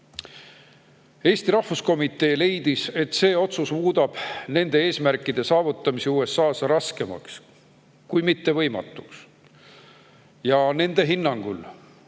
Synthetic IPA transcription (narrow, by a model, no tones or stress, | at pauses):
e̞ːst̪iɾɑhvusko̞mit̪ːˑe̞ːle̞jd̪̥ise̞t̪ːse̞ːo̞t̪susmuːd̪̥ɑb̥ne̞nd̪e̞e̞ːsmærkˑːid̪̥e̞sɑːvut̪ːˑɑmisiuːe̞sɑːsrɑske̞mɑ̰ks | kujmit̪ːe̞vɤ̞jmɑ̰t̪ːˑu̥ks | jɑne̞nd̪e̞ɦinːɑŋɡ̥ul